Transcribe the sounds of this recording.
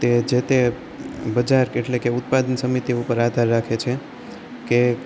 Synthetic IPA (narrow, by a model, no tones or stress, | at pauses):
t̪ed͡ʒet̪e | bəd͡ʒaɾeʈlekeʊt̪̚pad̪ənsəmit̪iupəɾad̪ʱaɾːakʰet͡ʃʰe | ke